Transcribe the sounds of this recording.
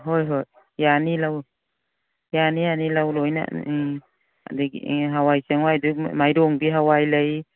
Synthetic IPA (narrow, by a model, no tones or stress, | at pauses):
ɦojɦoj | janilaw | janianilawlojna̰ | diɦawajseŋwajdumajɾɔŋbiɦawajləj